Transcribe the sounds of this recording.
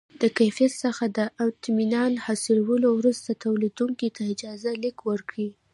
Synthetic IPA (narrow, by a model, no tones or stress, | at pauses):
d̪̥əkajfijat̪səxad̪əʔat̪minɑnhɑsilawəlowɾust̪at̪awlid̪uŋkit̪aɪd͡ʒɑzalikwəɾkɽi